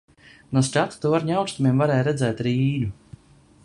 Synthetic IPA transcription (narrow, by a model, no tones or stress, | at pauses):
nuɔst̪ʲat̪u̥t̪uvaɾɲawkst̪umiɛmvaɾɛːjɾɛd̪zɛjt̪ɾiːnʲu